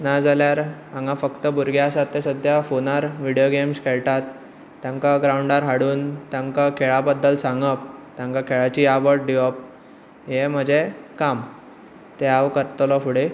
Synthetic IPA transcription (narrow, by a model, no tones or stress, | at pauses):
nad͡zaljaɾãŋɡãfəkt̪əbuɾɡjasat̪ːesəd̪ʱjafonaɾʋiɽijoɡemskʰeɭʈ̪at̪ː | jãŋkaɡɾauɳɖaɾɦaɽuːnt̪jãŋkakʰeɭabəd̪ːəlsaŋɡəp̚t̪jãŋkakʰeɭat͡ɕiːaʋəʈ̚ɖiɔp̚ | ɦem̤əd͡ʑʱekam | t̪eaʋkəɾt̪lɔfuɽe